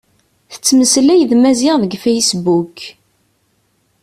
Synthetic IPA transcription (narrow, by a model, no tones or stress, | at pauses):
θə̥t͡sːməslæjðmæzɪʁðəɡfæjsbuk